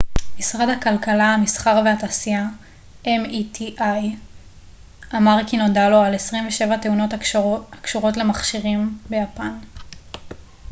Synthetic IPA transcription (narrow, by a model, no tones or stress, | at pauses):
misʁadhakalkalahamisχaʁveataːsia | emitʰiʔaj | amaʁkino̞dalo̞alesʁimveʃe̞vate̞uno̞takʃuʁo̞tle̞maχʃiʁimbe̞japan